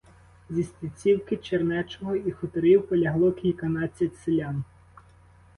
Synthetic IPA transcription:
zʲisʲt̪ʲit͡sʲiwkɪt͡ʃeɾnɛt͡ʃɔɦɔixɔt̪ɔɾiwpɔlʲɐɦlˠɔkʲlʲikɐnɑt͡sʲɐtʲselʲan

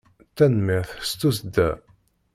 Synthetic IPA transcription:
t̪ːænmiʁθst̪ːus̬d̪æ

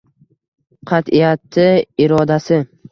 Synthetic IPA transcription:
qʰɑt̪ɪjat̪ːɪɪɾɒd̪asɪ

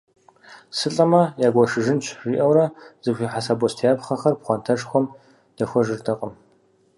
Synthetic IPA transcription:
sɨɬʼɐmɐjaːɡʷɔʂɨʒɨnt͡ʃʰriːʔɐwɾɐz̥ɨɕʷiħasaːbɔstʰijaːbχɐχɐrpχʷɔntʰɐʂxʷɔm | d̥ɐxʷɔʒɨrtʰɐqʼəm

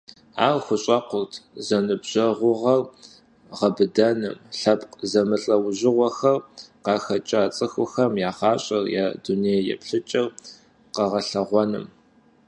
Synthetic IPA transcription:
a̰ːrxʷʊɕʼɐqʷʊrtʰzɐnɨbʑ̥ɐʁʷʊʁɐr | ʁɐbɨdɐnɨ̰mɬɐpʼqzɐmɨɬʼɐwʑɪʁʷɔxɐrqɑːxɐt͡ʃʼaːt͡sʼɨxʷʊxɐmjaːχɑːɕʼɐrjaːduneːjjɛ̰pɬɨt͡ʃʼɪr | qɐʁɐɬɐʁʷɔnɨ̰m

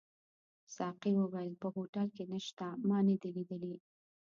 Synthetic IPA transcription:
sɑqiwəwajəlpəɦoʈalkenəʃt̪amɑnəd̪ilid̪əli

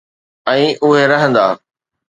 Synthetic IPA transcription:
ɛ̃ːʔʊɦeɾɐɦə̃nd̪aː

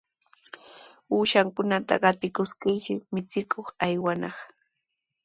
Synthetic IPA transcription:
uːʃaŋkʊnat̪a̰ɢɑt̪ɪkʊskɪʃɪmɪt͡sɪkʰoχajwanɑχ

